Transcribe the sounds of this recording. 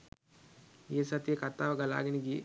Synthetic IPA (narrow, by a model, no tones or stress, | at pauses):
eːsɐt̪jekɐɾt̪ːaːʋɐɡɐla̰ːɡiniɡi